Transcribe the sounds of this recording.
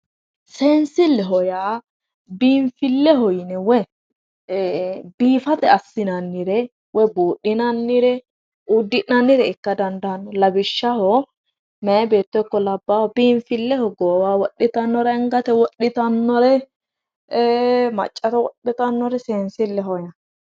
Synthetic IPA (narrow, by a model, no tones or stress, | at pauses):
seːnsɪlːɛɦɔjaː | biːɱfɪlːɛhɔjnɛwɔ | biːfɐt̪ɛɐsːɪnɐnːɪɾɛ | wɔbuːɗɪnɐnːɪɾɛ | ud̪ːɪʔnɐnːɪɾɛɪkːɐd̪ɐnd̪ɐɐnːɔlɐbɪʃːɐhɔ | mɛɐbe̞ːt̪ːɔjkːɔlɐbːahɔbiːɱfɪlːɛhɔɡoːwaːwɔɗːɪt̪ɐnːɔɾɐɛŋɡɐt̪ɛwɔɗːɪt̪ɐnːɔɾɛ | mɐ̰t͡ʃʼːɐt̪ɛwɔ̰ɗːɪt̪ɐnːɔɾɛseːnsɪlːɛɦɔja